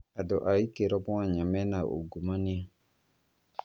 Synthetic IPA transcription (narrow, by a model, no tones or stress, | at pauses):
adɔʔaikeɾɔbɔ̃aɲamɛnaʔo̰ɡomania